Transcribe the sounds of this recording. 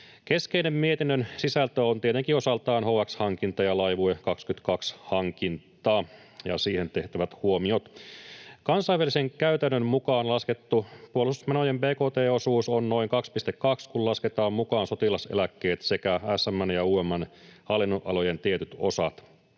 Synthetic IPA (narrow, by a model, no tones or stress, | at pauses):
keskeinemmiet̪inːønsisælt̪øont̪iet̪eŋkio̞sɑlt̪ɑːnhoːækshɑŋkint̪ɑjɑlɑjʋuekɑkskyt̪kɑkshɑŋkint̪ˑɑː | jɑ̰siːhe̞nt̪e̞ht̪æʋæt̪huo̞mio̞t̪ | kɑnsɑijʋæliseŋkæyt̪ænːømmukɑːnlɑske̞t̪ːupuolsusmenojembeːkoːt̪eːo̞suːsonno̞iŋkɑkspist̪ekkːɑkskullɑsket̪ɑːmmukɑːnso̞t̪ilɑsḛlækːe̞ːt̪se̞kææsːæmːænjɑuːemːænhɑlːinːoʔɑ̰lo̞je̞nt̪iet̪yt̪o̞̰sɑt̪